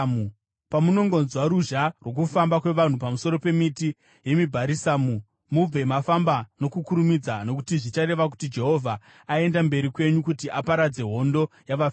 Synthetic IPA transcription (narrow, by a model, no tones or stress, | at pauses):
u | pamuno̞ŋɡo̞nzwaɾuʒarwo̞k̬ufambakwe̞ʋan̤upamuso̞ɾo̞pe̞miti | je̞mibʱaɾisaːmu | mub͡vʱe̞mafambano̞kukuɾumid͡zano̞k̬u̥tiʐit͡ʃaɾe̞ʋak̬u̥tid͡ʒe̞ɦo̞vʱaː | e̞ndambe̞ɾikwe̞ɲukutiʔapaɾad͡ze̞ɦo̞ndo̞jaʋaf